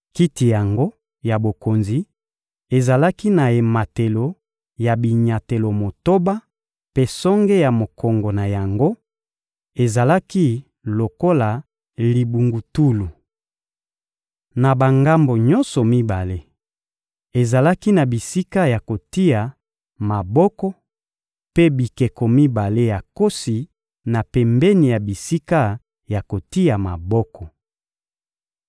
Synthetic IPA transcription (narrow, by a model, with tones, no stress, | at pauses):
ki˦ti˨ja˨ŋɡo˦ | ja˨bo˨ko˨nzi˨ | e˨za˨la˦ki˦na˨e˨ma˨te˨lo˨ | ja˨bi˨ɲa˨te˨lo˨mo˨to˦ba˦ | pe˦sɔ˦ŋɡe˦ja˨mo˨kɔ˨ŋɡo˨na˨ja˨ŋɡo˦ | e˨za˨la˦ki˦ | lo˨ko˦la˨ | li˨bu˨ŋɡu˨tu˦lu˨ | na˨ba˨ŋɡa˦mbo˨ɲɔ˦nsɔ˨mi˦ba˨le˦ | e˨za˨la˦ki˦na˨bi˨si˦ka˦ja˨ko˨ti˦ja˨ | ma˨bɔ˦kɔ˦ | pe˦bi˨kɛ˨kɔ˨mi˦ba˨le˦ja˨ko˦si˨ | na˨pɛ˨mbɛ˦ni˨ja˨bi˨si˦ka˦ | ja˨ko˨ti˦ja˨ma˨bɔ˦kɔ˨